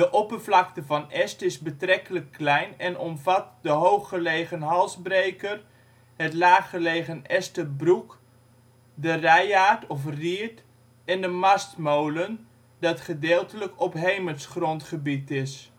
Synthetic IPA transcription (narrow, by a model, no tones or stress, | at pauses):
dəʔɔpərvlɑk̚təvɑnɛstɪzbətrɛkələkːlɛjnɛnʔɔmvɑt̚dəɦowχːəlejχənɦɑlˠzbrejkər | ɦətlaːχəlejχənɛstəbruk | dərɛjaːtɔfriət | ɛndəmɑstmowlən | dɑtχədɪːlˠtələkɔpɦejməlsχrɔntχəbitɪs